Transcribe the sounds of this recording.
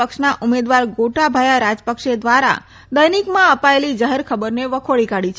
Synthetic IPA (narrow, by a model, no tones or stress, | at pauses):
əkʃnaʔumed̪ʋaɾɡoʈabʱajaɾad͡ʒpəkʃed̪ʋaɾa̰ | d̪əjnikmãəpaelid͡ʒəɦəɾkʰəbəɾneʋəkʰoɭikaɽit͡ʃʰ